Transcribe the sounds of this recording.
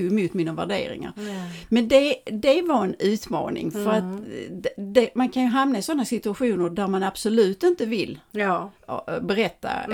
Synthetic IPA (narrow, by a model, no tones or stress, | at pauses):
mʊːt̪miːnavæ̰ɖḛːɾɪ̰ŋa̰ɾmɛnd̪ɛd̪ɛvaɾɛnʉ̟ːt̪mɑ̰ːnɪ̰ŋfœɾat̪ | d̪ɛmankʰanjɵɦamnaɪsɔnːasɪt̪ɵaɧuːnəɾɖ̪æɾmanab̥sɔlʉ̟ːt̪ɪnt̪əvɪlː | bɛɾɛt̪ːa̰